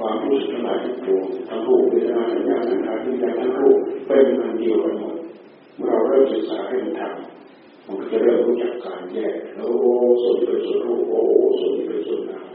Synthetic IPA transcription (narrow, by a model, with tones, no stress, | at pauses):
kʰwaː˧mɾuː˥˩su˨˩t̚t̪ʰa˧laː˨˩j̪̚ʰa˧˥˩t̪u˧əŋt̪ʰaː˦˧˥ŋpʰuː˥˩niː˧˩˨t͡ɕa˧˦maː˧˥sa˨˩˦jaː˧˩t̪̚sa˨˦nkʰaː˦˥t̪̚ni˧˥˧kaː˧˩t̪ʰaː˦˧˥ŋpʰuː˥˩ka˧˩˨miː˧ŋaː˧ndi˧əwka˧nmo˨˩t̪̚ | mɯ˥˩˨ɾa˧wɾɤː˧˥˩msɯ˨˩k̚saː˨˦ha˥˩jma˨˧˦nt̪ʰa˧m | ma˧˥nkʰɔː˧˩t͡ɕa˧˩ɾɤː˥˩mɾuː˦˥t͡ɕa˨˩kːaː˨˧njɛː˧˩k̚lɛː˦˧˦ʔʔo˧su˨˦nt̪iː˦˥˩pe˧nsu˨˩˦npʰuː˥˩k̚ʔoː˧˥ʔʔsu˨˩˦nt̪ʰi˦˧˩pe˧nsu˨˩ənlaː˨˧˦w